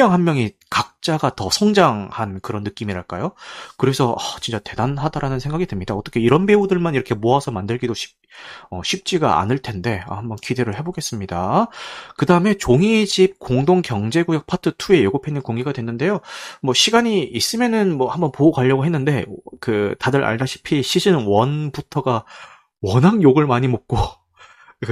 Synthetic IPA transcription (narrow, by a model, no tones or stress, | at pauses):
ʌŋɦanmjʌŋikak̚t͡ɕ͈aɡatʌsʰʌŋd͡ʑaŋhankɯɾʌnːɯk͈imiɾaɭk͈a̰jokɯɾe̞sʰʌʌt͡ɕint͡ɕ͈ate̞danɦadaɾanɯnsʰe̞ŋɡaɡidɯmɲidaʌt͈ʌkʰe̞iɾʌnbe̞udɯɭmaniɾʌkʰe̞moasʰʌmandɯɭɡidoɕʰi̥ | ʌɕʰip̚t͡ɕ͈iɡa̰a̰nɯɭtʰe̞nde̞ʌ̰hambʌnkide̞ɾɯɭɦe̞boɡe̞s͈ɯmɲida | kɯdaɯme̞t͡ɕoŋid͡ʑip̚koŋdoŋkjʌŋd͡ʑe̞ɡujak̚pʰatʰɯtʰue̞jeɡopʰenːɯnkoŋɡeɡadwe̞nːɯnde̞jomwʌɕʰiɡaɲiːs͈ɯmjʌnɯnmwʌhambʌnpoːkwaʎːʌɡoɦe̞nːɯnde̞kɯtadɯɾa̰ɭdaɕʰi̥pʰiɕʰid͡ʑɯnwʌnbutʰʌɡa | wʌnɦaŋjoɡɯɭmaɲimok̚k͈o